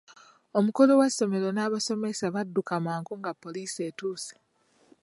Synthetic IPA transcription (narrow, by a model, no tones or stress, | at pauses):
o̞muko̞lo̞wasːo̞me̞ɾo̞naːβaso̞me̞saβadːukamaːŋkuŋɡapːo̞liːse̞ːtuːse̥